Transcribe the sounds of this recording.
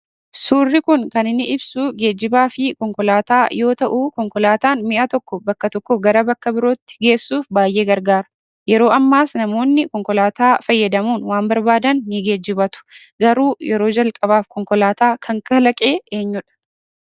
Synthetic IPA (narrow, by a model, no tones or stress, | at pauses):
suːrːɪkʊŋkɐnɪnːɪʔɪbsuːɡe̞ːd͡ʒːɪbaːfɪkɔŋkɔlaːt̪aːjo̞ːt̪ɐʔuːkɔŋkɔlaːt̪aːnmɪʔɐt̪ɔkːɔbɐkːɐt̪ɔkːɔɡɐɾɐbɐkːɐbɪɾoːt̪ːɪ̥ɡe̞ːsːuːfbaːjʔe̞ːɡɐɾɡaːɾɐ̥ | jɛɾo̞ːʔɐmːaːsnɐmo̞ːnːɪkɔŋkɔlaːt̪aːfɐjːɐd̪ɐmuːnwaːmbɐɾbaːd̪ɐnːɪɡe̞ːd͡ʒːɪbɐt̪ʊ̥ | ɡɐɾuːjɛɾo̞ːd͡ʒɐlkʼɐβaːfkɔŋkɔlaːt̪aːkʰɐŋkɐlɐkʼe̞ːʔeːɲːʊᶑɐ̥